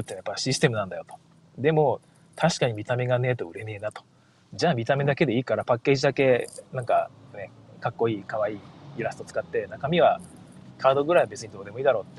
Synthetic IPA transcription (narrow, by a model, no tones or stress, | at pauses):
sot̪ːeajapːaɕisɨ̥t̪e̞mɯ̟nãnd̪ajo̞t̪o̥ | d̪e̞mo̞ | t̪ʰaɕi̥kaɲ̟imʲit̪ame̞ɡane̞ːt̪o̞ɯ̟ɾe̞ne̞ːnat̪o̥ | d͡ʑaːmʲit̪ame̞d̪ake̞d̪e̞iːkaɾapakːe̞ːʑid̪ake̞nãŋka̰ne̞kakːo̞iːkaβaiːiɾasɨ̥t̪ot͡sɨ̥kat̪ːe̞nakamʲiβa | kʰaːd̪o̞ɡɯ̟ɾaiβabe̞t͡sɨɲ̟id̪o̞ːd̪e̞moiːd̪aɾo̞ːt̪ːe